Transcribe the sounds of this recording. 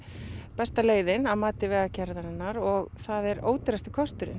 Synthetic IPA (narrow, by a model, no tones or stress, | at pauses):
pɛst̪aleːjðɪnavmaːt̪ɪvɛːɣacɛɾðanɪnːaɾɔɣθaðɛɾo̰ːwt̪ɪɾast̪ɪ̥kʰɔst̪ʏɾɪ̰n